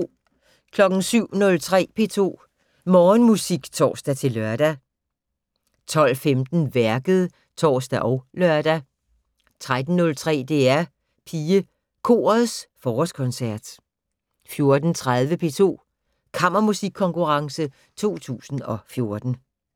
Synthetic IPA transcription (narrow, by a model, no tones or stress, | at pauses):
kʰlɒ̽ɡ̥n̩syʊ̰nɔ̽lt͡sʰʁɛ̰ːpʰe̝̰ːt͡sʰo̝̰ː | mɒːnmusiɡ̥t͡sʰɒ̰ːsd̥æt͡sʰe̝lːɶɐd̥æ | t͡sʰɒ̽l̰femd̥n̩ʋæɐɡ̥əð̞̩ˠ | t͡sʰɒ̰ːsd̥æʔɒʊlœɐd̥æ | t͡sʰʁad̥n̩ːɔ̽lt͡sʰʁɛ̰ːd̥e̝æɐ | pʰiːə | kʰo̝̰ːɐð̩ˠsfɒːɒskʰɔ̽nsæɐ̰d̥ | fjo̝ɐd̥n̩t͡sʰʁað̞ˠʋəpʰe̝̰ːt͡sʰo̝̰ː | kʰɑ̈m̰ɐmusiɡ̥̚kʰːɒ̽ŋkuʁɑ̈ŋsə | t͡sʰo̝̰ːt͡sʰṵːsn̩ɒ̽fjo̝ɐd̥n̩